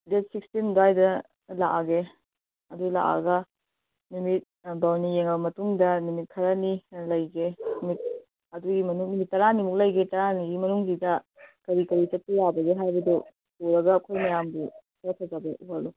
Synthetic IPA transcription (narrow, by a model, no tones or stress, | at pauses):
detsikstindajdɐ | laʔaɡe | ɐdula̰ʔa̰ɡɐ | numit̚bawnijeŋɐbɐmɐtuŋdɐnumit̚kʰɐɾɐnilɐjɡenumit̚ | ɐduɡimɐnuŋnumit̚ːɐɾanimuk̚lɐjɡetɐɾaniɡimɐnuŋdidɐ | kɐɾikɐɾit͡ʃɐt̚tɐjabɐɡeɦajbɐdu | poɾɐɡɐːkʰojmɐjambukʰɐɾɐtʰɐd͡ʒɐbɐubalu